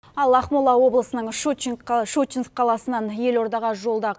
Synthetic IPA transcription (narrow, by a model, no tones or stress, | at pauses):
ɑlˠɑχmulˠɑwo̞blˠəsənəɴʃuiŋkʃut͡ʃːinkqʰːɑlˠɑsənɑnje̞lo̞ɾd̪ɑʁɑʒo̞lˠd̪ɑ